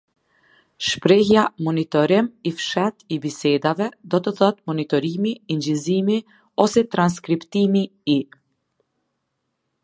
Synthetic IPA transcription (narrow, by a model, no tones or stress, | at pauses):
ʃpɾɛhjamɔnit̪ɔɾɪmifʃɛt̪ibisɛd̪avɛd̪ɔt̪əθɔt̪mɔnit̪ɔɾimiːnd͡ʑizimi | ɔsɛt̪ɾans̬kɾipt̪imii